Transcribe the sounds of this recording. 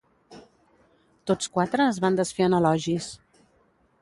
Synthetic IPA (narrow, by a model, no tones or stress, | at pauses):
t̪ot͡skwat̪ɾəːzβand̪əsfeənəlɔʒis